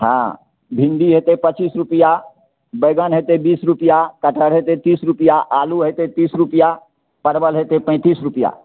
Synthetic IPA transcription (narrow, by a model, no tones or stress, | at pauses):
ɦã̰ | bʱĩnd̪iɦet̪epət͡ʃiːsɾupija | bəɡənɦet̪ebiːsɾupijakəʈəɽɦet̪et̪iːsɾupijaʔaluɦet̪et̪iːsɾupija | pəɾbəlɦet̪epə̃ɪ̃t̪iːsɾupija̰